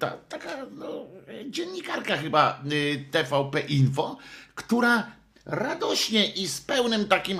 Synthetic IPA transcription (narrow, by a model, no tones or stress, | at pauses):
t̪a̰t̪akanɔd͡ʑɛnɲːikaɾkaxɘbat̪ɛfawpɛʔinfɔkt̪uɾa | ɾad̪ɔɕɲɛʔispɛwnɘmt̪akʲim